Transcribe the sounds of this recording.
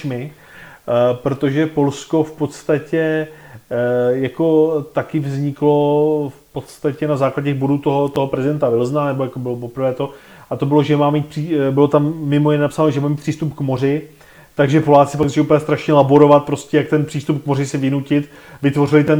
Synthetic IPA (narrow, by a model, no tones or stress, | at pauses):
mɪ | pɾo̞t̪o̞ʒɛpo̞lsko̞fpo̞t̪st̪acɛ | jako̞t̪akɪvzɲɪklo̞fpo̞t̪st̪acɛnazaːklaɟɛɛɣboduːt̪o̞ɦo̞t̪oɦopɾɛzɪdɛnt̪avɪlznanɛbo̞jakobɪlopo̞pɾvɛːt̪o̞ | ʔat̪o̞bɪlo̞ʒɛmaːmiːt̪̚pr̥ibɪlo̞t̪amːɪmojɪnɛːnapsaːnoʒɛmaːmiːt̪pʰr̥iːst̪upkmo̞rɪ | t̪aɡʒɛpo̞laːt͡sɪpaɡzʒɛupljɛst̪ɾaʃɲɛlaboɾo̞vat̪̚pɾo̞scɛjak̚t̪ɛnpr̝̥iːst̪upkmo̞ɾɪsɪvɪnucɪt̪ | vɪt̪vo̞rɪlɪt̪ɛn